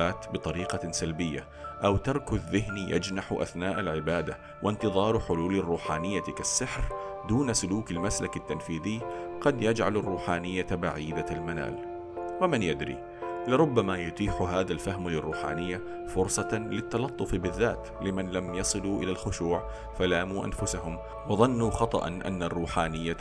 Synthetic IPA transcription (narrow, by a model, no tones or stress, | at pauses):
aːt̪bɨt̪ˤɑɾiːqɑsalbɪjːa | ʔawt̪ɑɾˤkʊðːɪɦnjʔa̰d͡ʒnaħʔa̰θnaːʔalʕɪbaːd̪a | wʔɪnt̪ɨðˤɑːɾˤħʊluːlarˤːuːħaːnɪjːakasːɪħɾd̪uːnasʊluːkalmaslakat̪ːanfiːðɪjːqɑd̪jad͡ʒʕalarˤːuːħaːnɪjːabaʕiːd̪almana̰ːl | wamɪnjad̪ɾḭ | lɪɾˤʊbːamajʊt̪iːħʊɦaːðalfahmalɪrˤːuːħa̰ːnɪjːa | fʊɾsˤɑlɪt̪ːɑlɑt̪ˤːʊfbɪðːaːt̪ | lɪmanlamjɑsˤɨluʔɪlalxʊʃuːʕ | falaːmuʔa̰nfʊsaɦʊm | wɑðˤɑnːuxɑt̪ˤɑ̰ʔɑ̰nʔa̰nːarˤːuːħaːnɪjːa